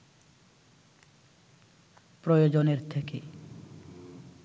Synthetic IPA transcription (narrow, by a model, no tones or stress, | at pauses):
pɾojod͡ʑoneɾt̪ʰeke